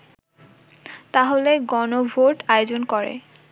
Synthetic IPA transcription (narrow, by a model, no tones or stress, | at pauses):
t̪aɦoleɡɔnobʱoʈajod͡ʑonkɔɾḛ